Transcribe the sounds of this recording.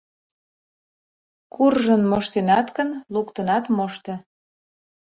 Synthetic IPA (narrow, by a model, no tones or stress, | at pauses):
kurʒənmoʃt̪enɑt̪kənlukt̪ənɑt̪moʃt̪ɤ̆